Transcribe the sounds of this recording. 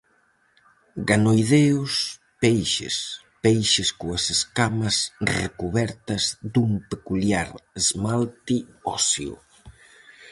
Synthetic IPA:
ɡanojðeʊs | pejʃḛs | pejʃɪskoɐseskamɐsrḛkuβɛɾt̪ɐzd̪umpekuljaɾezmalt̪iɔsjo̰

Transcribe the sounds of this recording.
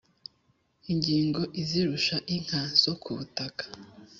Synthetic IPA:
iŋɡiːŋɡo̞ʔiziɾuʃaʔiŋ̥haz̥o̞kʰuβutakḁ

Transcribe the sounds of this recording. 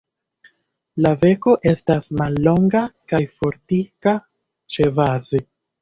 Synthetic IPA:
lave̞ko̞ʔe̞stasmalːo̞ŋɡakajfo̞ɾtika | t͡ʃe̞vaze

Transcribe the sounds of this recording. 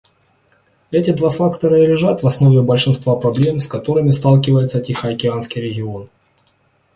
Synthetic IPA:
ɛtʲɪd̪vafakt̪ɐɾəlʲɪʐat̪vɐsno̞vʲɪbəlʲʂɨnst̪vapɾɐblʲe̞mskɐt̪o̞ɾɨmʲɪst̪alˠkʲɪvəjɪt̪sətʲɪxəɐkʲɪanskʲijɾʲɪɡʲɪo̞n

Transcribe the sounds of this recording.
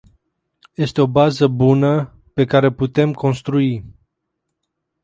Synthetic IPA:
je̞st̪eo̞bazəbunə | pe̞kaɾeput̪e̞mko̞nst̪ɾui

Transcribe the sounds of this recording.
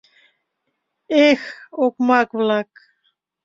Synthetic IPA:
exokmakβlak

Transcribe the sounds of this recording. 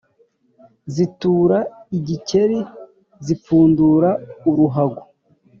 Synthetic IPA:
zituːɾaiɟice̞ɾi | zip͡fuːnduɾauɾuɦaɡu

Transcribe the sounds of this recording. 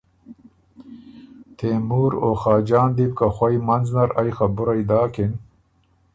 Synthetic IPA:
t̪ʰeːmuːɾoxaːd͡ʑaːnd̪ibkaxwɐjmɐnznɐɾajxabʊɾɐjd̪aːkin

